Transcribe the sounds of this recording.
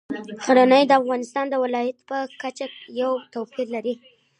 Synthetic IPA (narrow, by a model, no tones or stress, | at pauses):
xaɾanəjd̪əafɣɑnɪst̪ɑnd̪əwɪlɑjat̪pəkat͡ʃajawt̪owpiɾlaɾi